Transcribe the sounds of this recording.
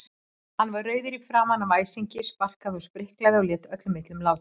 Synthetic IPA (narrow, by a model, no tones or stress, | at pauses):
hanːvaɾrœːɥðʏɾifɾaːmanːavaːjsiɲcɪspar̥kaðʏspɾɪhklaðɪɔljɛːt̪œt̪lʏmːɪht̪lʏmlaːwt̪